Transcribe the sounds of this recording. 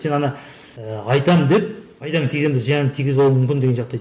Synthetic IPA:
se̞nɑnɑ | əɑjt̪ɑməd̪e̞p̚ʰ | ɑjd̪ɑŋt̪ʰiɡʲzemd̪eʒijɑnt̪ʰiɡʲɪzbolˠumʏmkʲɪnd̪e̞ɡʲenʃɑqt̪ɑj̪

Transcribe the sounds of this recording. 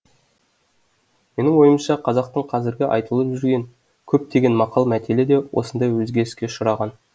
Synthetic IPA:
me̞nɪŋwo̞jəmʃɑqʰɑzɑq̚t̪əɴqʰɑzɪɾɡʲɪʔɑ̰jt̪əlˠəpʒʏɾɡʲe̞ŋ | kʲʰɵp̚t̪ʰe̞ɡʲe̞nmɑqɑlˠmæt̪eled̪e̞wʔo̞̰sənd̪ɑjwɵzɡʲe̞ɾɪskʲe̞ʃʊɾɑʁɑn

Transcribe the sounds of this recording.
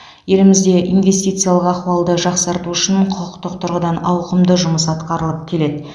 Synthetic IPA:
je̞lɪmɪzd̪e̞ʔinve̞st̪ijt̪sɨjalˠəqɑχuɑlˠd̪əʒɑqsɑɾt̪uʏʃɪɴqʰʊqʊqt̪əq̚t̪ʰʊɾʁəd̪ɑnɑwqəmd̪əʒʊməsɑt̪qɑɾəlˠəp̚kʲʰe̞le̞d̪ɪ

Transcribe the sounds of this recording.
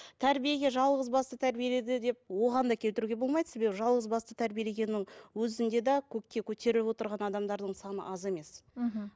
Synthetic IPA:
t̪ʰæɾbije̞ɡʲe̞ʒɑlˠʁəzbɑst̪ət̪ʰæɾbije̞le̞d̪ɪd̪e̞p̚wo̞ʁɑnd̪ɑkʲʰe̞lt̪ɪɾuɡʲe̞bo̞lˠmɑjd̪ə̥se̞be̞bɪʒɑlˠʁəzbɑst̪ət̪ʰæɾbije̞le̞ɡʲe̞nːɪŋwɵzɪnd̪e̞d̪ɑkʲʰɵkʲkʲːe̞kʲʰɵt̪e̞ɾɪlɪpwo̞t̪əɾʁɑnɑd̪ɑmd̪ɑɾd̪əɴsɑnə̰ʔɑze̞me̞s

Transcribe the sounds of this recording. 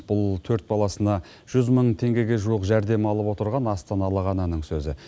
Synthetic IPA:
b̥ʊlˠt̪ʰɵɾt̪̚bɑlˠɑsənɑ | ʒ̥ʏzməɴt̪ʰe̞ŋɡʲe̞ɡʲe̞ʒuwəqʒæɾd̪e̞mɑlˠəpwo̞t̪əɾʁɑnɑst̪ɑnɑlˠəʁɑnɑnəɴsɵzɪ

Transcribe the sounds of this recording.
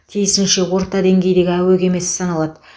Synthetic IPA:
t̪ʰijɪsɪnʃe̞wo̞ɾt̪ɑd̪e̞ŋɡʲe̞jd̪e̞ɡʲɪæweɡʲe̞me̞ssɑnɑlˠɑd̪ə

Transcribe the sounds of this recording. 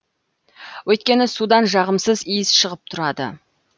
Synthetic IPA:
wɵjt̪̚kʲe̞nɪsud̪ɑnʒɑʁəmsəzijɪzʃəʁəp̚t̪ʰʊɾɑd̪ə̰

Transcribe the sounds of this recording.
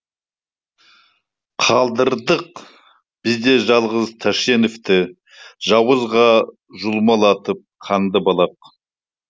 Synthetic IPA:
qʰɑlˠd̪əɾd̪əq | b̥ɪzd̪e̞ʒɑlˠʁəzt̪ʰæʃe̞nɪft̪ɪ | ʒɑwəzʁɑ | ʒʊlˠmɑlˠɑt̪əp̚qʰɑnd̪əbɑlˠɑq̚

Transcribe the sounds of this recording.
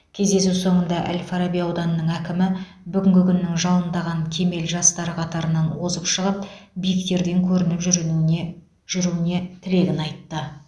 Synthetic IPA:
kʲʰe̞zd̪e̞suwso̞ɴənd̪ɑʔæ̰lʲfɑɾabijɑwd̪ɑnːəɴækʲɪmɪ | bʏɡʲɪŋɡʲɪkʲʰʏnːɪŋʒɑlˠənd̪ɑʁɑŋkʲʰe̞me̞lʒɑst̪ɑɾəqʰɑt̪ɑɾənɑnwo̞zəpʃəʁəp̚bijɪkt̪e̞ɾd̪e̞ŋkʲʰɵɾɪnɪpʒ | ʒ̥ʏɾune̞t̪ʰɪle̞ɡʲɪnɑjt̪ːə

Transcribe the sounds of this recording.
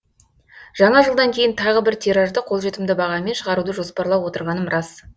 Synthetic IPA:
ʒ̥ɑɴɑʒəlˠd̪ɑŋkʲʰe̞jɪnt̪ʰɑʁəbɪɾt̪ʰiɾɑʒd̪əqʰolˠʒe̞t̪ɪmd̪ɪbɑʁɑme̞nʃəʁɑɾud̪əʒo̞spɑɾlˠɑwo̞t̪əɾʁɑnəmɾɑs

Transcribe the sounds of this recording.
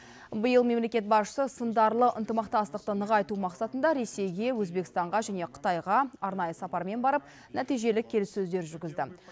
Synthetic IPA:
bəjəlˠme̞mle̞kʲe̞t̪̚bɑsʃə̥səsənd̪ɑɾlˠəʔənt̪əmɑqt̪ɑst̪əqt̪ənəʁɑjt̪umɑqsɑt̪ənd̪ɑɾe̞se̞jɡʲe̞wɵzbekʲɪst̪ɑɴʁɑʒæne̞qʰə̥t̪ɑjʁɑɑɾnɑjəsɑpɑɾme̞nbɑɾəp̚ | næt̪ijʒe̞lɪkʲʰːe̞lɪsːɵzd̪e̞ɾʒʏɾɡʲɪzd̪ɪ̰

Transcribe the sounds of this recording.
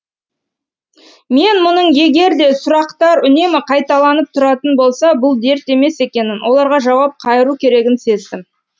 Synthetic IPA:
me̞nmʊnəɴje̞ɡʲe̞ɾd̪e̞sʊɾɑqt̪ɑɾʏne̞mɪqʰɑjt̪ɑlˠɑnəp̚t̪ʰʊɾɑt̪ənbo̞lˠsɑbʊlˠd̪e̞ɾt̪e̞me̞se̞kʲe̞nɪnwo̞lˠɑɾʁɑʒɑwɑp̚qʰɑjəɾukʲʰe̞ɾe̞ɡʲɪnse̞zd̪ɪm

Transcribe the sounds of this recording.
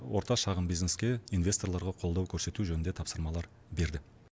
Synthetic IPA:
woɾt̪ɑʃɑʁəmbijzne̞skʲe̞invʲe̞st̪o̞rlˠɑɾʁɑqʰo̞lˠd̪ɑwkʲʰɵɾse̞t̪uʒɵnɪnd̪e̞t̪ʰɑpsəɾmɑlˠɑɾ | be̞ɾd̪ɪ

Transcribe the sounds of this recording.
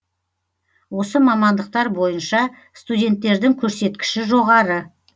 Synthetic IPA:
wo̞səmɑmɑnd̪əq̚t̪ɑɾbo̞jənʃɑ | st̪udʲe̞nt̪ːe̞ɾd̪ɪŋkʲʰɵɾse̞t̪kʲɪ̥ʃɪʒo̞ʁɑɾə

